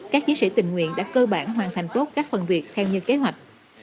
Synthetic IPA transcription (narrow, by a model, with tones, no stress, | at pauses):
kaː˦˥k̚t͡ɕi˨˦si˧˩t̪ï˨˩ŋ̟ŋwḭ˧˨ənɗa̰ː˧˥kəː˧ɓaː˧˩nɦwaː˨˩nt̪ʰa˨˩jŋ̟t̪o˦˥t̚kaː˦˥k̚fə˨˩nvi˨˩ək̚t̪ʰɛ˧wɲɨ̰˧˥ke˨˦ɦwa˨˩jk̟̚